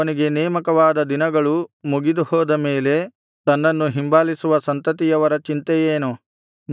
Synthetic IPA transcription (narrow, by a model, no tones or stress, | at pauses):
ɐniɡe̞nɛːmɐkɐʋaːd̪ɐd̪inɐɡɐɭumuɡid̪uhɔːd̪ɐmeːle̞ | t̪ɐnːɐnːuɦimbaːlisuʋɐsɐnt̪ɐt̪̬ijɐʋɐɾɐt͡ʃint̪ɛjeːnu | n